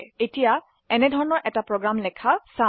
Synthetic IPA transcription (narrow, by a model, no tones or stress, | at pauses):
etija | ɛnɛdʱɔɹɔnɔɹʔɛtapɹoɡɹamlɛkʰasa